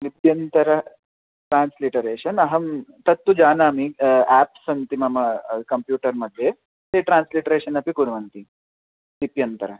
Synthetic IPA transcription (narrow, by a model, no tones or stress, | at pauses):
lipjɐnt̪ɐɾɐ | ʈɾaːnsliʈɐɾeːʃɐnɐɦɐmt̪ɐt̪ːud͡ʒaːnaːmiæːpsɐnt̪imɐmɐkɐmpjuːʈɐɾmɐd̪ʱːje | t̪eʈɾaːnsliʈɐɾeːʂɐnɐpikuɾʋɐnt̪i | lipjɐnt̪ɐɾɐ